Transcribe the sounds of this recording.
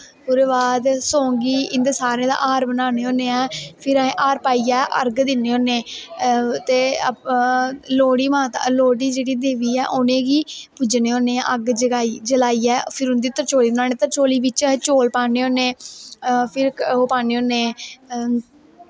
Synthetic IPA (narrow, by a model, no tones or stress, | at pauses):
pʊɾeːbaːd̪sõːŋɡiːɪ̃nd̪esaːɾẽːd̪a̰ːʔaːɾbənaːneːoːneːɛːpʰɪɾəẽːʔaːɾpaːiːɛːʔə̰ɾɡd̪ɪnːeːoːneː | t̪eː | loːɽiːmãːt̪a̰loːɽiːd͡ʒeːɽiːd̪eːʋiːɛːʔʊnẽːɡiːpʊd͡ʒneːõːneːɛ̰̃ʔəɡd͡ʒəaːid͡ʒəlaːiːɛːpʰɪɾʊnd̪iːt̪əɾt͡ʃoːliːbnaːneːt̪əɾt͡ʃoːliːbɪt͡ʃːt͡ʃoːlpaːneːoːneː | pʰɪɾɦoːpaːneːoːneː